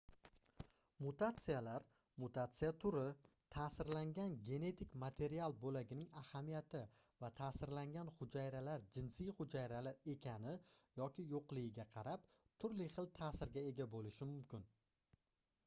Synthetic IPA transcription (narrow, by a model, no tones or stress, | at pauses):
mʊt̪at̪sɨjalaɾ | mʊt̪ʰat̪sɨjat̪ʰʊɾɪ | t̪ʰaːsɪɾlaŋɡʲanɡʲe̞ne̞t̪ʰɪkʲmat̪ʰe̞ɾialˠbolaɡʲɪnɪŋahamijat̪ʰɪvat̪ʰasɪɾlaŋɡʲanχʊd͡ʒajɾalaɾd͡ʒɪnsɪjχʊd͡ʒajɾalaɾe̞kʲʰanɪjɒkʲɪjoqlˠɪɡʲɪɡʲaqʰɑɾap̚ | t̪ʰʊɾlɪχɨlˠt̪ʰaːsɪɾɡʲae̞ɡʲabolɪʃɪmʊmkʲɪn